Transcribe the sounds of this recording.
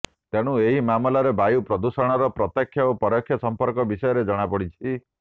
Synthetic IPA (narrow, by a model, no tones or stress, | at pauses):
t̪eɽ̃ueɦimamɔlaɾebajupɾɔd̪usɔɽ̃ɔɾɔpɾɔt̪akʰːjaopɔɾɔkʰjɔsɔmpɔɾkɔbisɔjɔɾed͡ʒɔɽ̃apɔɽit͡ʃʰi